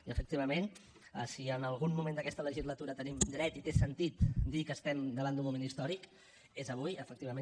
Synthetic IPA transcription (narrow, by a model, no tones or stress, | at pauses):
iəfək̚t̪iβəmen | əsiənəlˠɣ̞unmumẽnd̪əkɛst̪ələʒizlət̪uɾət̪ənimd̪ɾɛt̪it̪esənt̪it̪d̪ikəːst̪ɛmd̪əβand̪umumenist̪ɔɾik | ezəβ̞ujəfəkt̪iβəme